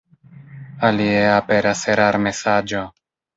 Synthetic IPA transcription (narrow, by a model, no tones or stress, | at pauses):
alieapeɾaseɾaɾmesad͡ʒo